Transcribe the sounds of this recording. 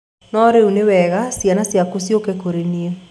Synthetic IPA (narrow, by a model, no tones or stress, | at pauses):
nɔɾeunewɛɣasjanasjakosjokekoɾenie